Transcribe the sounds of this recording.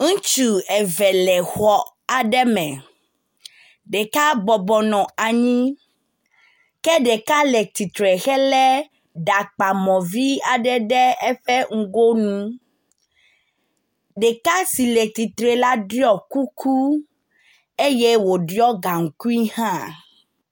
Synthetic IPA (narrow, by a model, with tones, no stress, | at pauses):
ŋ̩̃˦t͡ʃu˨ɛ˨vɛ˨lɛ˨xɔ˨ | a˨ɖɛ˦mɛ̃˨ | ɖɛ˨ka˦bɔ˨bɔ˨nɔ̃˨a˨ɲĩ˦ | kɛ˦ɖɛ˨ka˦lɛ˨t̪i˨t̪ɾɛ˨xɛ˦lɛ˦ | ɖa˨k͡pa˨mɔ̃˨vi˦a˨ɖɛ˦ɖɛ˦ɛ˦ɸɛ˦ŋ̩˦ɡo˦nũ˦ | ɖɛ˨ka˦si˨le˨t̪i˨t̪ɾe˨la˦ɖi˦ɔ˦ku˦kʰu˦ | e˦je˦wo˨ɖjɔ˦ɡa˨ŋ̩˨ku˦i˦hã˦